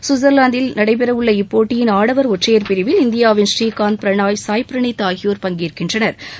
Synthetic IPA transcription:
sʊzɐɾlaːnd̪ɪlnɐɽɐɪp̬ɛɾɐʋɯɭːɐɪpːoːʈːɪjɪnaːɽɐʋɐɾɔʈrɐjɐɾpɪɾɪʋɪlɪnd̪ɪjaːʋɪnʂriːkaːnpɪɾɐɳaːjsaːjpɾɐɳɪt̪ːaːɣɪjoːɾpɐŋɡiːɾkɪndrɐnɐɾ

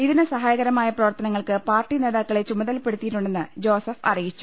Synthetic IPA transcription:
iðinɨsɐɦaːjɐɣɐɾɐmaːjɐprɐʋɐrt̪ɐnɐŋːɐɭkɨpaːrʈːine̞ːðaːkːɐɭet͡ɕumɐðɐlpe̞ɽut̪ːijiʈːuɳɖe̞nːɨd͡ʑo̞ːsɐfɐ̰rijit͡ɕːu̥

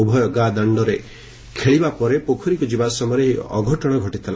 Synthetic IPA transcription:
ubʱɔjɔɡad̪aɳɖɔɾe | kʰeɭibapɔɾepokʰɔɾikud͡ʒibasɔmɔɾeɦiɔ̰ɡʱɔʈɔɽ̃ɔɡʱɔʈit̪ʰala̰

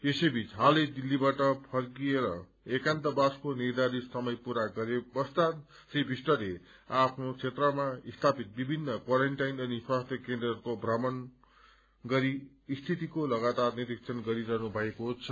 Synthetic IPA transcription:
esʌjbʱit͡sɦalʌd̪ilːibaʈʌpʰʌrkieɾʌ̰ | ekant̪ʌbaskonird̪aɾisʌmʌjpuɾaɡʌɾebʌst̪at̪ | sibʱisʈʌle | apʰnot͡sʰet̪rʌmaist̪ʰapit̪̚bibʱinːʌkwaɾeɳʈajnʌniswast̪ʰjʌkend̪rʌrkobʱrʌmʌn | ɡʌɾiː | st̪ʰit̪ikolʌɡat̪arniɾik̚t͡sʰʌnɡʌɾiɾʌɦnubʱʌekot͡sʰʌ

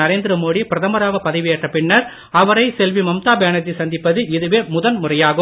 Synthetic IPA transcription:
ɐɾeːnd̪ɪɾɐmoːɽipɪɾɐðɐmɐɾaːɣɐpɐðɐɪʋɪjɛʈrɐpːɪɳːɐɾ | ɐʋɐɾɐɪsɛlʋimɐmt̪aːbeːɳɐt̪ːisɐnd̪ɪpːɐðɯɪðɯʋeːmʊðɐnmʊrɐjaːɣɯ

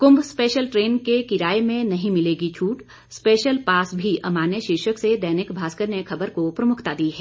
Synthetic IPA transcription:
kʊ̃mbʱspeːʃəlʈɾeːnkekɪɾaːemẽnɐɦĩmɪleːɡit͡ʃʰuːʈ | speːʃəlpaːsbʱiʔɐmaːnjəʃɪɾʃəksed̪ɛːnɪkbʱaːskəɾnexʰɐbəɾkopɾɐmʊkʰt̪ad̪iːɦɛː

